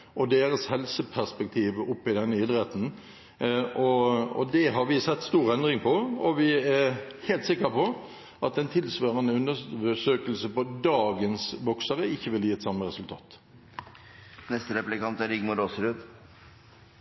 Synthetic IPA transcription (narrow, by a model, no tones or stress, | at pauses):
ʔɔd̪eːɾəshɛlsəpʰæʁspɛk̚t̪ʰiːʋʊpːɪd̪ɛnːəɪd̪ɾɛt̪n̩ | ɔɔ̰d̪ɛɦɑɾʋɪsɛt̪ːst̪uːɾɛnd̪ʁɪŋpʰɔɔʋɪæɾheːlt̪sɪkːəɾpɔ | ʔɑt̪̚d̪ɛnt̪ʰɪlsʋøːʁənəʉnːəəʂøːkəlsəpɔd̪ɑːɡənsʋɔksəɾəɪçːəʋɪljiːɛt̪sɑməɾɛsʉlt̪ʰɑ̰ːt̪ | nɛst̪əɾɛplɪkɑnt̪æɾɪɡmʊɾoːsəɾʉd̪